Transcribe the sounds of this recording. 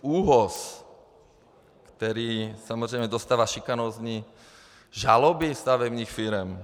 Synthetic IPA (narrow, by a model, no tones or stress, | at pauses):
uːɦɔs | kt̪ɛɾiːsamɔzɾɛɪjmɛd̪ɔst̪aːʋaʃikanɔzɲi | ʒalɔbifst̪aʋɛbniːxfiɾɛm